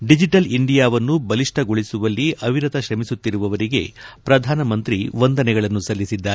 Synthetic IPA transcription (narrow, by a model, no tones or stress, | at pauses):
ɖid͡ʒiʈɐliɳɖijaːʋɐnːubɐliʂʈʰɐɡoɭisuʋɐlːiʔɐʋiɾɐt̪ɐʃɾɐmisut̪ːiɾuʋɐʋɐɾiɡe̞̰pɾɐd̪ʱaːnɐmɐnt̪ɾiʋond̪ɐnɛɡɐɭɐnːusɐlːisid̪ːaːe